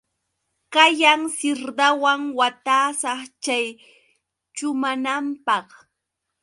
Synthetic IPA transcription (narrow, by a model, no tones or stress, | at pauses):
kajaŋsɪɾd̪awaŋwat̪aːsɑχt͡ʃaj | t͡ʃʊmanampɑχ